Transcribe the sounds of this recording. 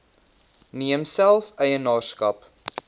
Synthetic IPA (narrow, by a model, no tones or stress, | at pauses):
niəmsælˠfœjənɑːrskɐp